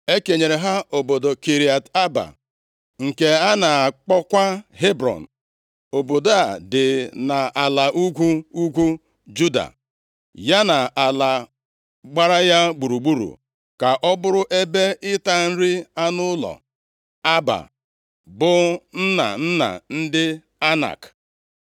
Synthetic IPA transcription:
e˦ke˨ɲe˨ɾe˨ɦa˦o˨bo˨do˨ki˨ɾi˨a˨ta˦ba̰˨ | ŋ̩˨ke˨a˦na˨a˨k͡pɔ˦kʷa˦ɦe˦bɾɔ̰˨n̩˨ | o˨bo˨do˨a˨dɪ˨na˨ʔa˨la˨ʔu˦kʷu˦u˦kʷu˦ | d͡ʒu˦da̰˨ | ja˦na˨a˨la˨ | ɡ͡ba˦ɾa˦ja˦ɡ͡bu˨ɾu˨ɡ͡bu˦ɾṵ˨ | ka˨ʔɔ˦bʊ˦ɾʊ˦ʔe˦be˦ɪ˦ta˦n̩˦ɾɪ˦a˦nʊ˦lɔ̰˨ | a˦ba̰˨ | bʊ˨n̩˦na̰˨n̩˦na̰˨n̩˦dɪ˦ | a˦na̰˨k

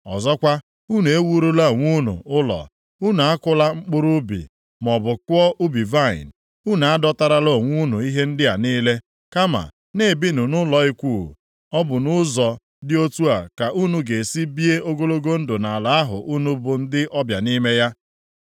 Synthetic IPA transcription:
ɔ˨zɔ˦kʷa˦ | u˦nu˨e˦wu˦ɾu˦la˦˨ŋʷu˦nṵ˨ʊ˦lɔ̰˨ | u˦nu˨a˦kʊ˦la˦ŋ͡m̩˦k͡pʊ˦ɾʊ˦bḭ˨ | mɔ˨bʊ˨kʷɔ˦ʔu˦bi˨va˦˨ɪ̰˨n̩˨ | u˦nu˨a˦dɔ˦ta˦ɾa˦lo˦˨ŋʷu˦nu˨i˦ɦe˦n̩˦dɪ˦a˨niː˦le˦ | ka˦ma̰˨ | ne˦˨bi˦nu˨nʊ˦lɔ˨i˦kʷuː˦˨ | ɔ˦bʊ˨nʊ˦zɔ˨ | dɪ˦o˦tu˦a˨ka˨ʔu˦nu˨ɡe˨si˦bi˦e˦o˦ɡo˦lo˦ɡo˦n̩˦dʊ˨na˨a˨la˨a˦ɦʊ̰˨ʔu˦nu˦bʊ˨n̩˦dɪ˦ʔɔ˦bja˨ni˦me˦ja˦

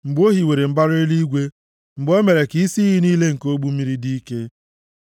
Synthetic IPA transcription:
ŋ͡m̩˨ɡ͡bo˦ɦi˨we˨ɾe˨m̩˦ba˦ɾe˦li˦ɡʷe˦ | ŋ͡m̩˨ɡ͡bo˦me˨ɾe˨ki˦si˦ɦi˦niː˦le˦ŋ̩˨ko˦ɡ͡bu˦mi˦ɾi˦di˦ke˦

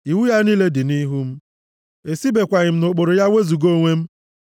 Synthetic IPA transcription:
i˨wu˦ja˦niː˦le˦dɪ˨ni˦ɦu˦m̩˦ | e˨si˦be˨kʷa˨ɣɪ˨m̩˦nʊ˨k͡po˨ɾʊ˨ja˦wʷe˦zu˨ɡo˦ŋʷe˦m̩˦

